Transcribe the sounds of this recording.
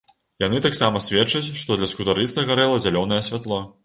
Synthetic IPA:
janɨt̪aksamɐsʲvʲɛt͡ʂɐt͡sʲʂt̪ɔd̪lʲɐskut̪aɾɨst̪ɐɣaɾɛlˠɐzʲalʲɔnɐjɛsʲvʲat̪lˠɔ

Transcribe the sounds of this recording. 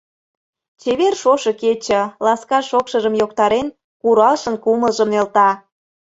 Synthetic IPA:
t͡ɕeβerʃoʃɤ̆ket͡ɕə̆lɑskɑʃokʃəʒəmjok̚t̪ɑɾen | kuɾɑlʃənkuməlʒəmnelt̪ɑ

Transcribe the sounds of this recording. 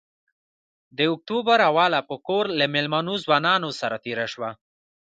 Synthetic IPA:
d̪əʊk̚t̪ubaɾawɑlapəkoɾlamɪlmanozwɑnɑnosaɾat̪eɾaʃwa

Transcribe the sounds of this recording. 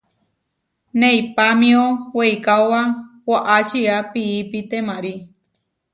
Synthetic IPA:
nẽipamĩoweikaowawwaʔat͡ʃiapiːpit̪emãɾi

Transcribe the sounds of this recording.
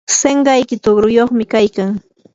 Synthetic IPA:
seɴɢɑjkɪt̪ʊɡɾʊjoχmɪkajkaŋ

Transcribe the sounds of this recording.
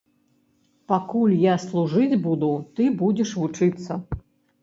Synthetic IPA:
pakulʲjaslˠuʐɨd͡zʲbud̪ut̪ɨbud͡zʲɛʂvut͡ʂɨt̪sːɐ

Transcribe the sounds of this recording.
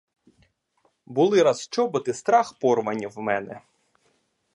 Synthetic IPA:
bʊlˠɪɾɐst͡ʃɔbɐt̪ɪst̪ɾɑxpɔrʋɐnʲiwmɛnɛ

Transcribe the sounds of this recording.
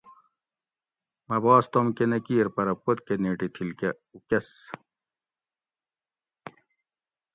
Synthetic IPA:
mɐbɑːst̪omkenɐkiːɾpɐɾɐpot̪̚keneːʈit̪ʰilke | ukes

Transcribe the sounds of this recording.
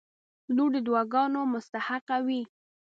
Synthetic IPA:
luɾd̪əd̪wɑɡɑnomʊst̪ahaqawi

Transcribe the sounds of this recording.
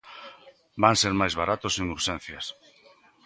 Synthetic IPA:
baŋseɾmajzβaɾat̪ʊseŋuɾʃẽn̟θjas

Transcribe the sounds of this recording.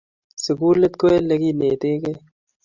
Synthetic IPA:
sɪɡuːlɐt̪koelɐɡiːneːt̪eːke

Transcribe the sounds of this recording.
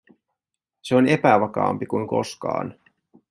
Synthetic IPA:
se̞o̞ne̞pæʋɑkɑ̰ːmpikujŋko̞̰skɑ̰ːn

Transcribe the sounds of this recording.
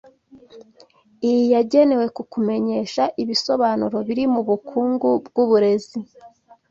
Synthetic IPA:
ijijaɟe̞ne̞we̞kukume̞ɲe̞ʃaʔiβiso̞βanuɾo̞βiɾimuβukʰuːŋɡub̚ɡuβuɾe̞zi

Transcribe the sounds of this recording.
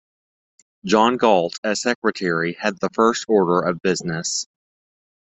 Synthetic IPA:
d̥ʒ̥ɑ̃nɡɔlˠtʰɨ̥sɛkɹɨtʰɛɹiɨd̪̚ðəfɜ˞stɔɹɾə˞ʔʌvbɪznɨs

